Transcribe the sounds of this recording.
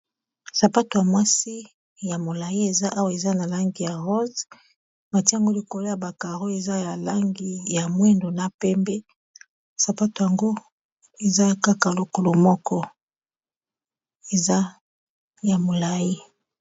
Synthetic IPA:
sa˨pa˦to˨ja˨mwa˦si˦ | ja˨mo˨la˨ji˦e˨za˦ʔa˦wa˨e˨za˦na˨la˦ŋɡi˨ja˨ʁo˦z | ba˨ti˦a˨ŋɡo˦li˨ko˨lo˦ja˨ba˨ka˨ʁo˦e˨za˦ja˨la˦ŋɡi˨ja˨mwe˦ndo˨na˨pɛ˦mbe˦ | sa˨pa˦to˨ja˨ŋɡo˦ | e˨za˦ka˦ka˨lo˨ko˨lo˨mɔ˦kɔ˦ | e˨za˦ | ja˨mo˨la˨ji˦

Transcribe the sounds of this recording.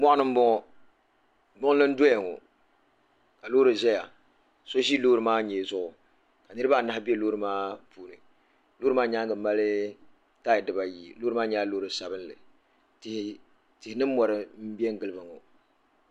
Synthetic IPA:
mɔ˦ʔa˦nɨ˦m̩˦bɔ˦ŋɔ˦ | ɡ͡bʊ˦ŋ˦lɨ˦n̩˦dɔ˦ɛ˨ŋɔ̰˨ | ka˨loː˦ɾɨ˨ʒɛ˦ja˨ | so˦ʒi˦loː˦ɾɨ˨maː˦ɲɛ˨zʊ˦ʔʊ˨ | ka˨nɨ˦ɾɨ˦ba˦˨na˦hɪ˦bi˦ɛ˦loː˦ɾɨ˨maː˦puː˨nɨ˨ | lo˦ɾɨ˦maː˦ɲa˦ŋɡɨ˨˦ma˦lɨ˦ | taː˦˨jɪ˨dɨ˨ba˨ji˨loː˦ɾɨ˦maː˦ɲɛ˦a˦loː˦ɾɨ˨sa˨bɨ˦n˦lɨ̰˨ | tɪ˨h | tɪ˨hɪ˨˦nɨ˦m̩˦mɔ˨ɾɨ˦m̩˦bi˦ɛ˦ŋ˦ɡɨ˨lɨ˦ba˨ŋɔ˨

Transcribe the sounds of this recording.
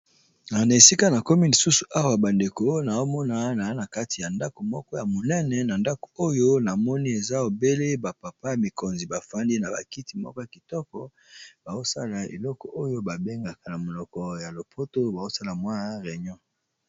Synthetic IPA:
na˨na˨e˨si˦ka˦na˨ko˦mi˦li˨su˦su˨ʔa˦wa˨ba˨nde˨ko˨˦na˨o˦mɔ˦na˦na˨˦na˨ka˦ti˨ja˨nda˦ko˨mɔ˦kɔ˦ja˨mo˨nɛ˦nɛ˨na˨nda˦ko̥˨o˦jo˦na˨mɔ˦ni˦e˨za˦o˨be˦le˦ba˨pa˨pa˦˨mi˨ko˨nzi˨ba˨fa˦ndi˦na˨ba̰˨ki˦ti˨mɔ̰˦kɔ˦ja˨ki˨tɔ˦kɔ˦ | b̥a˨zo˦sa̰˦la˨ḛ˨lɔ˦kɔ˨ʔo˦jo˦ba˨be˦ŋɡa˨ka˨na˨mo˨lɔ˨kɔ˨ja˨lo˨pʰo˦to˦ba˨zo˦sa˦la˨mwa˦ʁɛ˨ɲɔ̃˦

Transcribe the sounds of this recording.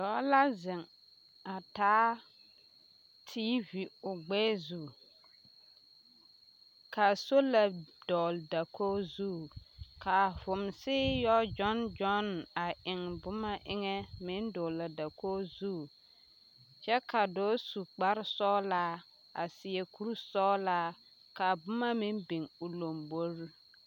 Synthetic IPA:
dɔː˨˦la˦zɪ˨ŋ | a˨taː˦ | tʰiː˦vi˨ʊ˨ɡ͡bɛː˦zu˨ | ka˨so˦la˨dɔ˨lda˨koː˦zu˦˨ka˨vʊ˨msɪː˦jɔ˦d͡ʒɔ˦nd͡ʒɔ˦na˨ʔɪ˨ŋbʊ˦ma˦ʔɪ˦ŋɛ˦mɪ̃˦ndɔ˨la˨da˨koː˦zu˦˨ | t͡ʃɛ˦ka˨dɔː˨˦su˨k͡pa˦ɾsɔː˦la˦ | a̰˨sɪ˨ɛ˨ku˦ɾu˦sɔː˦la˦ | ka˨bʊ˦ma˦mɪ˦nbɪ˨ŋʊ˨lo˨mbo˦ɾ

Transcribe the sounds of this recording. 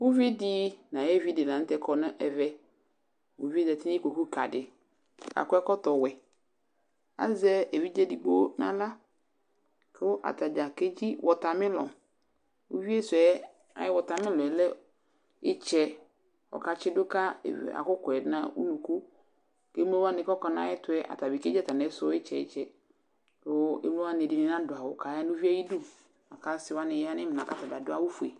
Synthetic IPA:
wu˦vi˦di˦nã˨jɛ˦vi˦dɪ˨nã˨n˦t̪ɛ˦kʰɔ˨nʊ̃˦ʔɛ˨vɛ˦ | wo˨vi˦e˦dɛ˨t̪ɪ˦n˦ko˨ku˦ka˨dɪ˨ | ka̰˨kʊ˦ɛ˦kɔ˦t̪ɔ˨wɛ˨ | a̰˦zɛ˦e˨vi˦d͡ʒɛ˦di˨ɡ͡bo˦nã̰˦la˦ | kʔa̰˨t̪a˨d͡ʒa˨ke˦d͡ʑi˦wʔɔ˨t̪a˨mɪ̃˦lɔ̰˨ | wo̰˨vi˦e˦sʊ˨ɛ˨˦ | a̰˨˦jɪ˦wɔ˨ta˨mɪ˦lɔ˨ɛ˨lɛ˦ | ɪ˦t͡ʃɛ˦ | ɔ̰˨ka˦t͡ʃɪ˦dʊ˦ka̰˦˨a̰˨kʊ˦kɛ˨˦nã˦ṵ˦nũ˨ku˦ | ke˦m˦o˦wa˦nɪ̃˨kɔ˦kɔ˦nã̰˦jɛ˦tʊ˦ɛ˦ʔa̰˨ta˨bi˨ke˦d͡ʒa˦ta˨nɛ˨˦sʊ˨˦ɪ˦t͡ʃɛ˨ɪ̰˦t͡ʃɛ˨ | o˦ḛ˦mlõ˦wa˦n˨e˨dɪ˨nɪ̃˨nã˦dʊ˨a˨wʊ˨ka˨ja˦nʊ̃˦vi˦a˦ji˦du˦ | a˨ka˦sɪ˦wa˦nɪ̃˨ja˦nɪ̃˦m˨nã˨ka˦ta˨ba˨dʊ˦a˦wu˦fu˨ḛ˨

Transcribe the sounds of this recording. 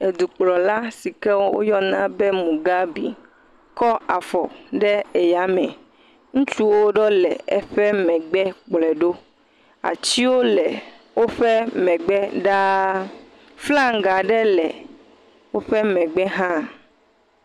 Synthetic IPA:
e˨d̪u˨k͡plɔ˨la˦si˨kɛ˦wo˦wo̰˦jɔ˦nã˦bɛ˦mũ˨ɡa˦bḭ˨ | kɔ˦a˨fɔ˨ɖɛ˦e˨ja˨˦mɛ̃˨ | ŋũ˦t͡ʃu˦wo˦ɖɔ˦lɛ˨ɛ˦ɸɛ˦mɛ̃˨ɡ͡bɛ˦k͡plɛ˨ɖo˦ | a̰˨t͡ɕi˦wo˦lɛ˨ | wo˦ɸɛ˦mɛ̃˨ɡ͡bɛ˦ɖa˦ | fla˦ŋ˦ɡa˨ɖɛ˦lɛ̰˨ | wo˦ɸɛ˦mɛ̃˨ɡ͡bɛ˦ɦã˦

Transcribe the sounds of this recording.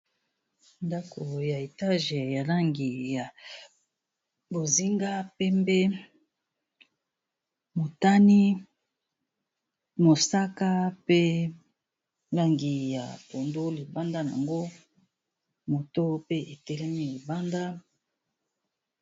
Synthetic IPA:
nda˦kʰo˨ja˨e˨ta˦ʒe˨ja˨la˦ŋɡi˨ja˨ | bo˨zi˦ŋɡa˦pe˦mbe˦ | mo˨ta˦ni˦ | mo˨sa˦ka˦pe˦ | la˦ŋɡi˨ja̰˨po˨ndo˦li˨ba˦nda˦n˨a̰˨ŋɡo˦ | mo˨to˦pe˦ʔe˨tɛ˦lɛ˦mi˦li˨ba˦nda˦

